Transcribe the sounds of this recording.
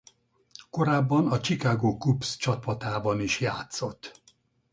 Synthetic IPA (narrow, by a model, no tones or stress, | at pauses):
ko̞ɾaːbːɒnɒt͡ʃikaːɡoːkupst͡ʃɒpɒt̪aːbɒniʃjaːt̪so̞t̪ː